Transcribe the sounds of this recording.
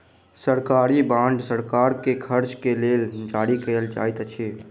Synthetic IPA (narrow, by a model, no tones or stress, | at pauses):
səɾkaɾibãɳɖsəɾkaɾkekʰəɾt͡ʃkeleld͡ʒaɾikəjəld͡ʒa̰jt̪t͡ʃʰe